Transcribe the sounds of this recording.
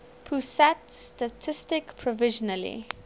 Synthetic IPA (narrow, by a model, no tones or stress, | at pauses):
pʰusatstətʰɪstɪkpʰɹɔvɪʒɔnəlḭ